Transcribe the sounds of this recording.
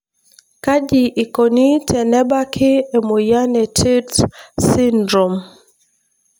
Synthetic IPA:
ka˦d͡ʒi˨ʔi˨ko˨ni˦tʰɛ˨nɛ˦ba˦kʰɪ˦e˨mo˨ja˦nɛ˨tʰi˦dsi˦ndɾɔ˨m

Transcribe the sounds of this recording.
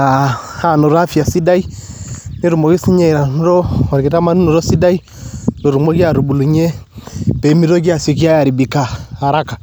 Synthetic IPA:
a˨ha˨nɔ˨ɾa˦fi˨a˨si˦da˦i˦ne˦ɾu˨mɔ˨ɡi˦si˦ɲɛ˦˨ɾa˨n˦ɾɔ˦ɔ˨ɾi˨ki˨ta˦ma˦ni˦nu˨ɾɔ˦si˦da˦i˦ | no˨ɾu˨mɔ˦ki˦a˨ɾu˨bu˨lu˨ɲɛ˦pɛ˨˦mi˦ɾɔ˦k̬i˦a˨sɔ˨ki˦a˦ja˨ɾi˨bi˨ka˨a˨ɾa˦ka˨

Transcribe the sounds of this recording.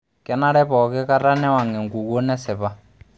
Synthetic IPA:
kɛ˨na˦ɾɛ˦pɔ˨kɛ˦ka˦ɾa˦nɛ˦wa˨ŋɛ˨ŋɡu˨ɣo˦nɛ˦sɪ˨βa˦

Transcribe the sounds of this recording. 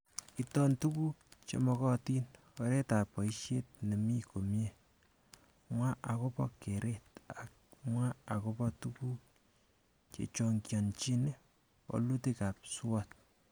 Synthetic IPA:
itɔ˦ntu˦ku˦t͡ʃḛ˨mɔ˧kɔ˦ti˦n | ɔ˨ɾe˦ta˨pɔ˨iʃje˦t̚ne˨mi˦ko˨mje | mwa˦ʔa˨ko˦pɔ̰˦ke˨ɾet̚ak̚mwa˦a˨kopɔ˦tuku | t͡ʃḛ˨t͡ʃoŋkjɔnt͡ʃi˦ne | ɔ̰˨lu˦teka˨p̚swɔt̚

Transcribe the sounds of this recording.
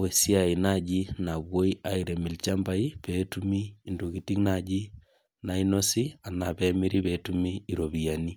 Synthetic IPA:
we˨si˦a˨i˨nad͡ʒi˦na˨βwo˦i˦a˦iɾe˨mi˨lt͡ʃa˦mba˦i˦petumiː˦ndo˨kiti˦knad͡ʒi˦ | naino˦si˦a˨naβɛmiɾiβɛtumiː˦ɾoβijani˦

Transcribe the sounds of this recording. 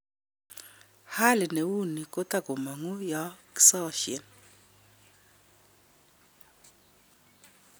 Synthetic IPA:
ha˦li˨ne˨wu˦ni˨ko˦ta˦˨ko˨ma˨ŋu˦ja˦ki̥˦sɔ˦ʃḭ˨n

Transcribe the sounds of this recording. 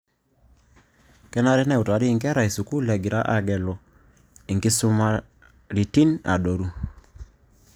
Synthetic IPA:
kɛ˦na˦ɾɛ˦nɛ˦˨u˨ta˨ɾiː˦˨ŋkɛ˦ɾa˨i˨su˨ku˦lɛ˨ɡi˨ɾa˦ʔa˨ɡɛ˨lɔ˨ | i˨ŋɡi˦su˦ma˦ | ɾi˨ti˦na̰˨do˨ɾu˦

